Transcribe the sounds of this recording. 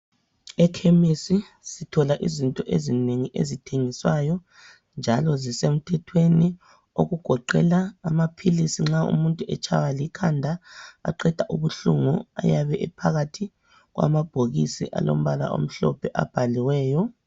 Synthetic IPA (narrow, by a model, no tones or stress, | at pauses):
ɛkʰemisi | sitʰɔlaʔizintʼɔʔezineŋiʔḛzitʰeŋiswajɔ | nd͡ʒʱalɔzisem̩tʰɛtʰweni | o̰ɣuɡ̥ʱɔǃɛ̰laːmapʰilisiŋ͡ǁaṵmuntʼuʔɛt͡ʃʰʼa̰walikʰandʱaa̰ǃɛd̥ʱaʔuβuɬuŋua̰jaβɛʔɛpʰaɣatʰi | ɣwa̰mab̥ʱoɣisḭʔa̰lo̰m̩βala̰ʔo̰m̩ɬɔpʰɛʔa̰b̥ʱaliwɛːjɔ